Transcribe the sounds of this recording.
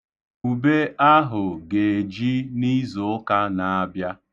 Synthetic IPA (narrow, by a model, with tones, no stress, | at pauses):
u˨be˦a˦ɦʊ˨ɡe˨d͡ʒi˦ni˦zʊ˨ʊ˦ka˦na˨a˦bja˦